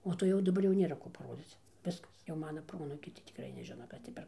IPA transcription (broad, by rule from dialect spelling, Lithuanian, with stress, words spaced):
oː ˈtoː jɛʊ dɐˈbɐr jɛʊ ˈnʲeːrɐ ˈkoː pɐˈroːd͡zʲiːt͡s ˈʋʲɪskɐs jɛʊ ˈmɑːnɐ ˈproːɐnuːkʲɛɪ tɐɪ tʲɪkˈrɐɪ nʲɛˈʒʲɪnɐ ˈkɐs tʲɪ pʲɛr